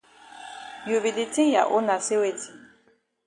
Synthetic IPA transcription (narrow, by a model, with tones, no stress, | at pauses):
ju˨bi˨li˨tĩ˦ja̰˨ʔo˦nã˨se˦we˨tʰi˨